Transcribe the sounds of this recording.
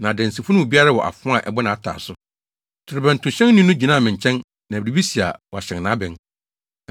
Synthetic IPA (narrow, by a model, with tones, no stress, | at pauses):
nã˨dɛ̃˨n˨si˨fʊ˦nʊ̃˦wu˨bi˦a˦ɾa˦˨wɔ˨ʔa̰˨fʊ̃˦a˨ʔɛ̰˨bɔ˦nã˨tʰa̰ː˨sʊ˦ | tʰɪ˨ɾɪ˨bæ̃˨n˨tʰʊ̃˨ɕɛ̃˦n˦nɪ̃˦nʊ̃˦d͡ʑi˨nãː˦˨mɪ̃˨ɲ˨t͡ɕʰɛ̃˦n | nã˨bi˨ɾi˨bi˦si˨a̰˨wɔ˨a˨ɕɛ̃˨ŋnã˦bɪ̃˨n˨